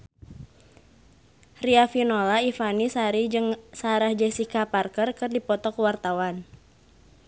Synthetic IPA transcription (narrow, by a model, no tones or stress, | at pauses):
riafinolaifanisaɾid͡ʒɨŋsaɾahd͡ʒɛsikaparkərkɨrdipɔt̪ɔkəwart̪awan